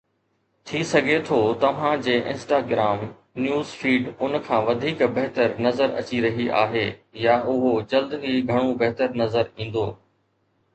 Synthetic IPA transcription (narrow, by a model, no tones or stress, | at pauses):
t̪ʰisɐɡʱet̪ʰoːt̪ɐʋ̤ãd͡ʑeːʔɪ̰̃nsʈaːɡɾaːm | njuːzfiːɖʊnkʰãːʋɐd̪ʱiːkbɐɦt̪əɾnɐzəɾɐ̰t͡ɕiɾɐɦiʔa̰ːɦeːjaʔʊɦod͡ʑɐld̪iɡʱɐɽ̃õbɐɦt̪əɾnɐzəɾĩːn̆d̪oː